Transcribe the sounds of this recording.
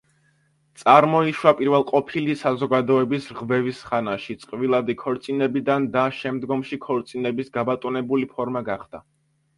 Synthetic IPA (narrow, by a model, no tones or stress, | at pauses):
t̪sʼaɾmɔiʃwapʼiɾvɛlˠqʼɔpʰilisazɔɡad̪ɔɛbisɾʁvɛvisχanaʃit̪sʼqʼvilˠad̪ikʰɔɾt̪sʼinɛbid̪and̪aʃɛmd̪ɡɔmʃikʰɔɾt̪sʼinɛbisɡabat̪ʼunɛbulipʰɔɾmaɡaχd̪̥a